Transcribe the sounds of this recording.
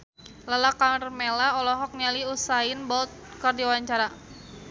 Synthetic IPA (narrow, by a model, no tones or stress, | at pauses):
lalakarmelaɔlɔɦɔk̚nialiusainbɔt̪̚kərdiawaɲt͡ʃaɾa